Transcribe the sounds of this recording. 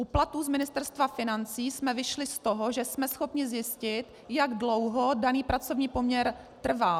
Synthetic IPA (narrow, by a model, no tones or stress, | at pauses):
ʔuplat̪uːzmɪnɪst̪ɛɾst̪vafɪnant͡siːsmɛvɪʃlɪst̪oɦoʒɛsmɛsxo̞pɲɪzjɪscɪt̪ | jaɡdlo̞wɦo̞daniːpɾat͡so̞vɲiːpo̞mɲɛɾ | t̪r̩va